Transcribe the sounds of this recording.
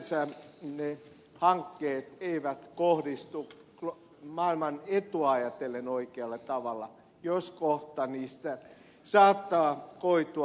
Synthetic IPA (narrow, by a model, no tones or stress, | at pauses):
sæne | hɑŋkːeːt̪eiʋæt̪kohdist̪u | k | mɑilmɑnet̪uɑɑjɑt̪elːenoikeɑlːɑt̪ɑʋɑlːɑ̰ | joskoht̪ɑniːst̪æ | sɑːt̪ːɑːkoit̪u